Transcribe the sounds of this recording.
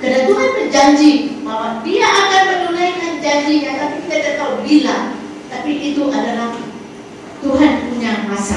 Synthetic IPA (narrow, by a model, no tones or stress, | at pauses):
kədat̪uɦanbərd͡ʒaɲd͡ʒimawadiaʔakanmərləlajŋand͡ʒaɲd͡ʒiɲat̪apikit̪at̪ət̪aubilaŋ | t̪apiʔit̪uʔadalah | t̪uɦanpuɲarasa̰